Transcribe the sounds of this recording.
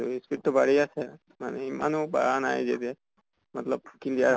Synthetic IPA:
uiskiʈːɔbaɽiasɛ | ma̰nemanuba̰ana̰jd͡ʒet̪e | mat̪lɔb̚kildia

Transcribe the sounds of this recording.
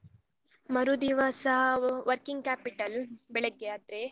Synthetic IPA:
mɐɾud̪iʋaːsɐɦɐʋɐɾkiŋɡ̚kaːpiʈɐlbɛɭeɡːead̪ɾe

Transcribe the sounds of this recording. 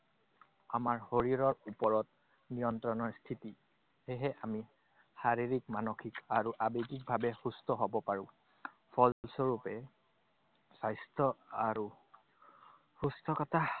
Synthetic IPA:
amaɹhoɹiɹɔɹupɔɹɔt̚ | nijɔntɹɔnɔɹstʰiti | heɦɛʔami | haɹiɹikmanokʰikaɹuʔabekik̚bʱabɛxustɔɦobɔpaɹʊ̃ | pʰɔllsoɹupɛ | sajstʰɔaɹu | xustʰɔkɔtʰa

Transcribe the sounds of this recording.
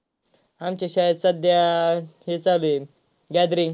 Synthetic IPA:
amt͡ɕeɕasəd̪jaɦet͡sale | ɡad̪ɾi

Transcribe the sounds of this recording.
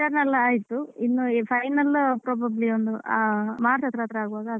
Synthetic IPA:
ɐɾnɐlːɐaːjit̪ːuinːupʰɐjnɐlpɾoːbɐbliond̪uʔamaːɾsɐt̪ɾaːt̪ɾɐaːɡuʋaːɡɐ

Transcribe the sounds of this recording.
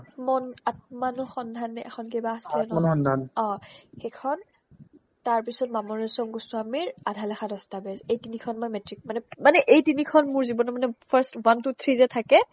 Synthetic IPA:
tmɔnat̚manɔxɔndʱanɛʔɛ̰xʰɔnkebaaslɛnɔanɔndʱanɔ̃xɛkʰɔn | taɹpisɔt̚mamɔɹisɔmɡosʊ̃amiɹadʱalaxadɔstabɛsejtinikʰɔnmɔjmɛtɹik̚manɛmanɛʔejtinikʰɔnmʊɹzibɔnɔmanɛpʰaɹstwantut̪ʰɹizɛtʰakɛ

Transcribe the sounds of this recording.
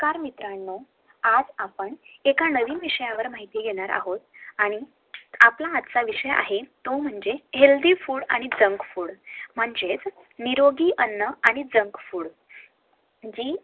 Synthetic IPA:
kaɾmit̪ɾanːo | ad͡zapəɳekanəʋiːnʋiʂəjaʋəɾmaɦit̪iːɡʱeɽ̃aɾa̰ɦot̪̚aɽ̃i | aplaːd̪t͡saʋiʂəja̰ɦet̪om̤əɳd͡zeheld̪iːfuːɽa̰ɽ̃id͡zəŋkfuːɽm̤əɳd͡zet͡s | niɾoɡiːʔənːəaɽ̃id͡zəŋkfuːɽ | d͡ʑiː

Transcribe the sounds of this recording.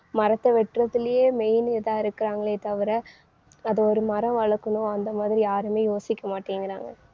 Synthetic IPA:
mɐɾɐt̪ːɐʋɛʈrɐt̪ːɪlɐjeːmɛjnɪðãːɪɾɯkːɪɾaːŋɡɐɭeːt̪ɐʋɪɾɐ | ɐðɐɔɾɯmɐɾɐ̃ʋɐɭɐkːɯnõɐnd̪ɐmaːðɪɾijaːɾɯmeːjoːsɪkːɐmaːʈːiːŋɡɪɾa̰ːŋɡɐ

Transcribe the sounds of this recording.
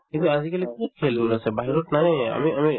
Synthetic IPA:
kit̪uazikalikukʰɛlduɾasɛbaɦiɾutnanɛa̰miami

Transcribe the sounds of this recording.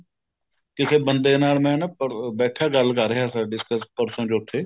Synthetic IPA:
kɪkʰeːbənd̪eːnaːlmɛ̃ːnəpəbɛːʈʰaːɡəlkəɾɦjaːsaɖɪskəspəɾsə̃nd͡ʒoːʈʰːeː

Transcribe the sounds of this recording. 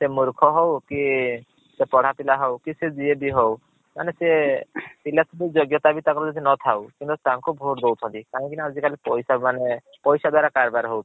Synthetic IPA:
semuɾkʰɔɦɔwki | sepɔɽ̤apilaɦɔwkised͡ʒiebiɦɔw | ma̰nesepilasʰbid͡ʒoɡjɔt̪abit̪akɔɾɔd͡ʒɔd̪ʱinɔt̪ʰawkint̪ut̪aŋkubʱoɾd̪owt̪ʰɔnt̪ikaɦɔ̃kinaazikalipɔjsamane | pɔjsad̪waɾakaɾbaɾɦɔw

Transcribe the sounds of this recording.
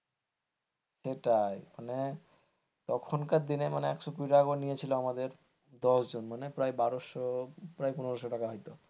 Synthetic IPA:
ʃeʈajmane | t̪ɔkʰonkaɾd̪inemaneɛkʃokuiʈaaɡoɾnijet͡ɕʰiloamad̪eɾ | d̪ɔʃd͡ʑonmanepɾajbaɾoʃopɾajpunoɾoʃoʈakaɦɔjt̪o

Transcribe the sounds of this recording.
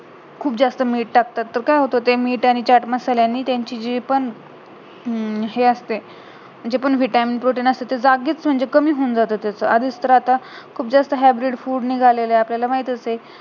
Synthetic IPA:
kʰuːpd͡zast̪əmiːʈʈak̚t̪at̪ːəɾkajɦot̪ot̪emiːʈaɽ̃it͡ɕaʈməsaljaniːt̪jãɲt͡ɕiːd͡ʑepəɳ | ɦeəst̪e | d͡ʑepəɳʋiʈaminpɾoʈiːnəst̪et̪ed͡zaɡiːt͡sm̤əɳd͡zekəmiːɦond͡zat̪ot̪jat͡səːad̪ʱist̪əɾat̪akʰuːp̚d͡zast̪əɦæbɾiɖfuːɽniɡʱaleleapljalamaɦit̪əse

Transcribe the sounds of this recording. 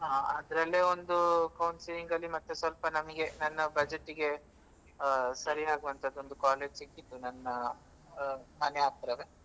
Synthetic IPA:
ɦaːɐd̪ɐɾɐlːeond̪ukɐwnsiliŋɡɐlːimɐt̪ːusʋɐlpɐnɐmɐɡe̞nɐnːɐbɐd͡ʒeʈːiɡe̞ | sɐɾiɦaːɡuʋɐnt̪ʰɐd̪ːond̪ukaːle̞ːd͡ʒsikːit̪ːunɐnːɐ | mɐnɛaːt̪ɾɐʋe

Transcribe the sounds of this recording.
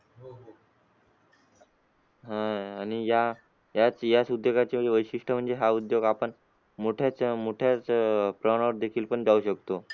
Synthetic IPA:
ɦãaɽ̃ija | jat͡sjasud̪ʱjoɡat͡ɕeəeʋəjɕiʂʈʰəm̤əɳd͡zeɦaud̪joɡapəɳ | moʈʰjat͡smoʈʰjat͡spɾəʋɽ̃aʋəɾd̪ekʰiːlpəɳd͡zauɕəkt̪o

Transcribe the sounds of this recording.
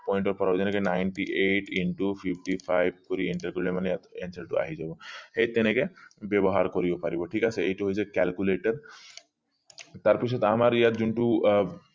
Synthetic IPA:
pɔjiɳʈɔɾpɔɾabd͡ʒɛnɛkenajɳʈiʔeʈiɳʈupʰipʰʈipʰajb̚kɔɾiiɳʈəɾkɔɾilɔmanɛjat̪enseɾʈṵa̰ɦid͡ʒabɔhejt̪ɛnɛkɛbjɔbɔɦaɾkɔɾibɔpaɾibɔʈʰikasɛejʈuɦojsʰɛkɛlkuleʈəɾ | t̪aɾpisʰɔt̪amaɾijat̪d͡ʒuɳʈu

